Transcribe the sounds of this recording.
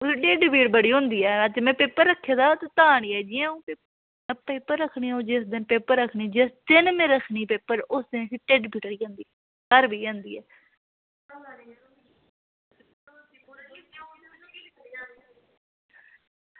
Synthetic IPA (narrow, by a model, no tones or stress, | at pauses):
ʊsʈeɖbiːʈbəɽiːɦõːnd̪iːɛːtːmɛ̃ːpeːpəɾːəkʰːeːd̪aːt̪ːt̪aːɳiːɛːd͡ʒɪãũːpeː | peːpəɾːəkʰɳiːaõːd͡ʒɪsd̪ɪnpeːpəɾːəkʰɳiːd͡ʒɪsd̪ɪnmẽːɾəkʰɳiːpeːpəɾʊsd̪ẽːsʈeɖbiːʈəɽiːãːnd̪iːɛ | kəɾbiːãːnd̪ḭːɛː